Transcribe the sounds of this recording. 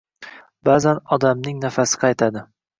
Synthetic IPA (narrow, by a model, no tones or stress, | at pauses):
bazanɒd̪amnɪŋnafasɪ̥qʰɑjt̪ʰad̪ɪ